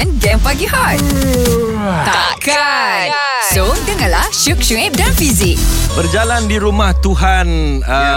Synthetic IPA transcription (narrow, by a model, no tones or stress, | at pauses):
ɛ̃nɡɛ̃mpaɡihaj | t̪aa | ka | sont̪əŋalaʃukʃuɛ̃p̚dãnfizik̚bərd͡ʒalandiɾumãht̪uɦan | ə